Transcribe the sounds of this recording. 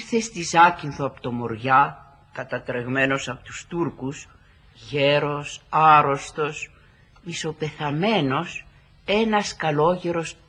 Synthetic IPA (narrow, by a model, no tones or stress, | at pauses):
ɾθe̞st̪izɐcinθoɐpo̥t̪omoɾʝɐ | kɐt̪ɐt̪ɾe̞ɣme̞no̞sɐpot̪u̥st̪uɾkus | ʝeɾo̞sɐɾo̞st̪o̞s | miso̞pe̞θɐme̞no̞s | e̞nɐskɐlo̞ʝeɾo̞s